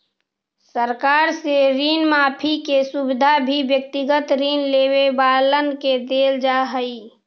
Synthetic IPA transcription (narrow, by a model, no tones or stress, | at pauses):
səɾkaːɾseɾiːnmaːpʰikesubɪd̪ʱabʱibjək̚t̪iɡət̪ɾiːnleːwebaːlənked̪eːld͡ʒaɦəi